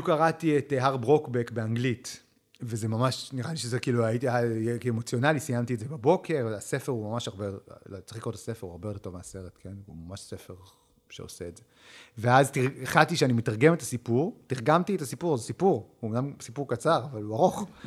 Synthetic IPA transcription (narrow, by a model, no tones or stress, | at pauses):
bijukaʁatieteɦaʁbʁo̞kbekbe̞aŋɡlit | vezemamaʃniʁaliʃezekiːluajitiajekemot͡sjo̞nalisijamtietzebabo̞kʰe̞ʁase̞fe̞ʁumamaʃaʁbelot͡sχikʁotʰḁse̞feʁua̰ʁbe̞odetovmease̞ʁetkʰe̞nṵmamaʃsefe̞ʁ | ʃḛoseːdze | veaztiʁeχatiʃeanimetaʁɡe̞metasipuʁtiʁɡamtietasipuʁzesipuʁuomnamsipuʁkat͡saʁavaluaʁo̞χ